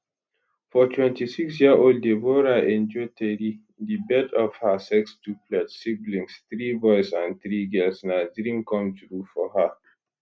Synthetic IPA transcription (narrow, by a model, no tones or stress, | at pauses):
fɔtʰwɛ̃ntisiksjiaʔold̚devoɹaɛ̃nd͡ʒɔtʰɛɾi | dibɛdɔv̥hasɛkstuplɛdsiblĩŋsθɹivɔɪsãnθɹiɡɛlsnadɹĩmkɔ̃mθɹufɔha